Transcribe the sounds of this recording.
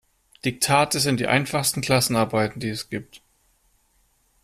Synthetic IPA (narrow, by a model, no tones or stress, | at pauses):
d̥ɪk̚tʰaːtəzɪnt̚d̥ḭːʔa̰ɪnfaχstn̩kʰl̥asn̩aɐbaɪtn̩diːɛsɡ̥iːp̚t